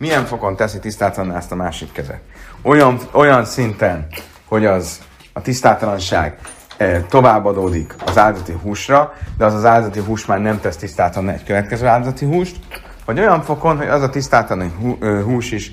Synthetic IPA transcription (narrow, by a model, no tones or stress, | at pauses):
mijɛɱfo̞ko̞nt̪ɛsit̪ist̪aːt̪ɒlɒnːɛst̪ɒmaːʃikːɛzɛ̰t̪ojɒɱo̞jɒnsint̪ɛn | ho̞ɟɒz | ɒt̪ist̪aːlt̪ɒlɒnʃa̰ːɡ | t̪o̞vaːbːɒd̪oːd̪ikɒzaːld̪zɒt̪iɦuːʃrɒd̪ɛɒzɒzaːld̪zɒt̪iɦuːʃmaːrnɛmt̪ɛst̪ist̪aːt̪ɒɒnːɛ̰ckøvɛt̪kɛzøːaːld̪zɒt̪iɦuːʃt̪ | vɒɟo̞jɒɱfo̞ko̞nɦo̞ɟɒzɒt̪ist̪aːt̪ɒlɒniɦuːʃiʃ